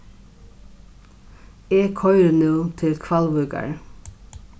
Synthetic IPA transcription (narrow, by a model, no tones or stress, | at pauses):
eːkʰɔʏɾənuːt̪ʰɪlkʰʋɑlʋʉːɡɑ̰ɹ